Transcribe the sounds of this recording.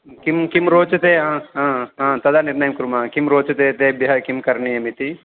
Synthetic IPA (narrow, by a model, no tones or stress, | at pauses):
kimkimɾoːt͡ʃɐt̪eɦãɦãɦãːt̪ɐd̪aniɾnɐjɐmkɾumaːkimɾoːt͡ʃɐt̪eːt̪ebɐɦɐkimkɐɾnijɐmit̪i